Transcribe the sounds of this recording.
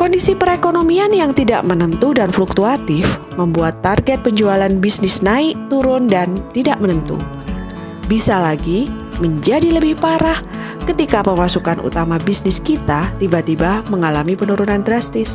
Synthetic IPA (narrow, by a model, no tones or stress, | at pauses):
kɔndisipəɾekonomianjaŋt̪ida̰ʔmənənt̪udanfluk̚t̪uat̪ɪf | məmbuat̪ːarɡɛt̪̚pəɲd͡ʒualanbisnɪsnaɪʔ̚t̪uɾʊndant̪idaʔmənənt̪ṵ | bisalaɡi | məɲd͡ʒadiləbɪhpaɾah | kət̪ikapəmasukanʔṵt̪amabisnɪskit̪at̪ibat̪ibaməŋalamipənuɾunandɾast̪ɪs